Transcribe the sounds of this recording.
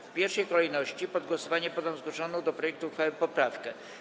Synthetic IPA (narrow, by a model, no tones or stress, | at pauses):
fpʲjɛɾfʂɛjkɔlɛjnɔɕt͡ɕipɔd̪̚ɡwɔsɔvaɲɛpɔd̪am̃zɡwɔʂɔnɔ̃d̪ɔpɾɔjɛk̚t̪uxfawpɔpɾafkɛ